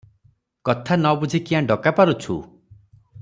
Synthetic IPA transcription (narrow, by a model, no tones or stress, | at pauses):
kɔt̪ʰanɔbud͡ʒʱikiãɖɔkapaɾut͡ʃʰu